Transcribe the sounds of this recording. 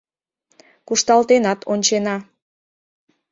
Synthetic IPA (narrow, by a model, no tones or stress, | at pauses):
kuʃt̪ɑlt̪enɑt̪onʲt͡ɕenɑ